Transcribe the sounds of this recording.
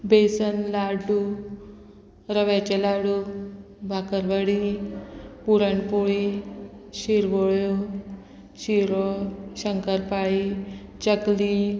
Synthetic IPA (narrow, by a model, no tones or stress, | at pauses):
besənlaɽu | ɾəʋat͡ɕelaɽu | bʱakəɾbəɽi | puɾəɳpuɭi | ɕiɾʋoɭjo | ɕiɾoɕəŋkəɾpaɭit͡ɕəkli